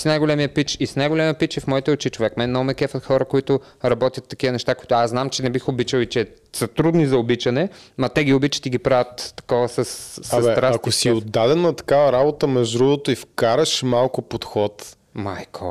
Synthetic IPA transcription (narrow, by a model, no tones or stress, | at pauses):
snajɡolʲɛmiəpit͡ʃisnajɡolʲɛməpit͡ʃɛfmɔit̪ɛʊt͡ʃit͡ʃovɛkmɛnnɐomɛkɛfət̪xɔɾɐkoit̪ʊɾɐbɔt̪jət̪ːɐkiənɛʃt̪akoi̥t̪ʊaznamt͡ʃɛnɛbixobit͡ʃəlˠit͡ʃɛsɐt̪ɾud̪nizɐobit͡ʃɐnɛmɐt̪ɛɡʲiobit͡ʃə̥t̪iɡipɾavʲət̪ːɐ̥kɔvɐsɐsːaɐsmɛɾasɐkosiod̪ːad̪ɛnɐt̪ɐ̥kavɐɾabot̪əmɛʒd̪ɾuvot̪oifkaɾɐʃmalˠkʊpot̪xɔt̪ | ma̰jkʰo̰